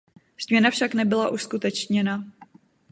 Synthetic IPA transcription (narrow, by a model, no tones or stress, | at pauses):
z̥mɲɛnafʃaknɛbɪlaʔuskut̪ɛt͡ʃɲɛna